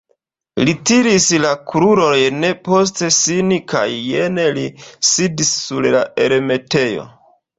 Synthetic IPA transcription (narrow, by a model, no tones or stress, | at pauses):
litiɾislakɾuɾojne̞po̞s̬te̞sinika̰jːene̞lisidisːuɾlae̞ɾeme̞te̞jo̞̰